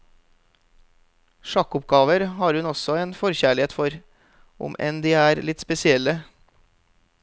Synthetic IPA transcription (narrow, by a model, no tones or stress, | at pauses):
ʃɑkʊp̚ɡɑːʋəɾhɑːɾhʉnɔsɔeːnfɔɾçæːɭɪeːt̪fɔɾ | ʔʊ̰mʔɛ̰nd̪iːæːɾlɪt̪spɛsɪɛlə